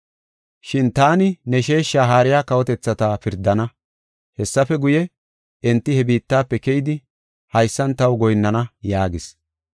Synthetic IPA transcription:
ʃɪnt̪aːnɪnɛʃe̞ːʃːaːɦaːɾɪjaːkɐwɔt̪ɛt͡sːɐt̪afɪɾd̪ɐnɐ | hɛsːɐfɛɡʊjɛ | ɛnt̪ːɪhɛbiːt̪ːaːpːɛkɛjɪd̪ɪ | hɐjsːɐnt̪ɐwɡɔjnːɐnɐjaːɡɪs

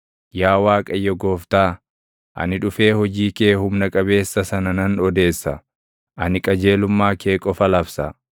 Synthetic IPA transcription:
jaːwaːkʼɐjːɔɡoːft̪aː | ʔɐ̰nɪᶑʊfe̞ːhɔd͡ʒiːke̞ːhʊmnɐkʼɐbe̞ːsːɐsɐnɐnɐnɔd̪e̞ːsːɐ | ʔɐnɪkʼɐd͡ʒe̞ːlʊmːaːke̞ːkʼɔfɐlɐfsɐ

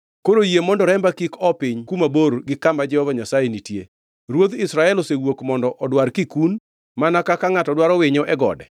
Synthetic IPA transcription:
koɾojemɔndɔɾɛmbakikɔpɪɲkumaboɾɡɪkambad͡ʒɛhɔvaɲasajenitjḛ | ɾwod̪ɪsɾaɛlosewokmɔndɔʔɔdwarkikun | manakakaŋatɔdwaɾɔwɪɲɔʔɛɡɔ̰dɛ

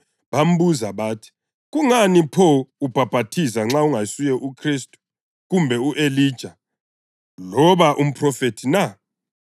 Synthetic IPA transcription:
βam̩buzaβaːtʰi̥ | ɣuŋanipʰɔub̥ʱab̥ʱatʰisaŋ͡ǁauŋajsujɛʔukʰristʼu̥ | ɣumbʱɛuʔeliːd̥ʒ̥ʱa | lɔβaʔum̩pʰrɔfetʰina

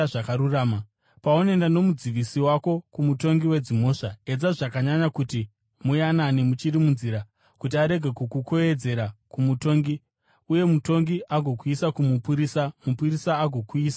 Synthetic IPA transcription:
akaɾuraːma | paone̞ndano̞mud͡ziʋisiwako̞kumuto̞ŋɡiwe̞d͡zimo̞ːʂae̞d͡zaʐakaɲaɲakuti | mujananemut͡ʃiɾimunziːɾa | kutiaɾe̞ɡʱe̞kukuko̞e̞d͡ze̞ɾakumuto̞ŋɡi | uje̞muto̞ŋɡiʔaɡʱo̞kuisakumupuɾisamupurisaːɡʱo̞kuiːsḁ

